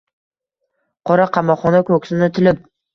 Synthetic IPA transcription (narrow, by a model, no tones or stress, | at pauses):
qʰɒɾaqʰɑmɒqχɒnakʰɵkʲsɪnɪt̪ʰɪlɪp̚